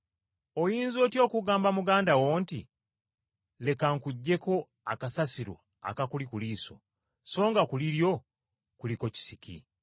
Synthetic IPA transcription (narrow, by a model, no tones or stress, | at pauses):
o̞jiːnzo̞ːtjo̞ːkuɡaːmbamuɡaːndawo̞ːnti | le̞kaŋkuɟːe̞ko̞ | akasasiɾwa̰ | a̰kakulikuliːso̞̰ | so̞ːŋɡakuliɾjo̞ | kuliko̞ci̥sikḭ